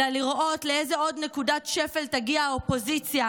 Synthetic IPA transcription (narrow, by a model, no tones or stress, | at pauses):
aliʁʔo̞t̪leejzeo̞d̪ne̞kudat̪ʃefeltaɡiaːopo̞zit͡sja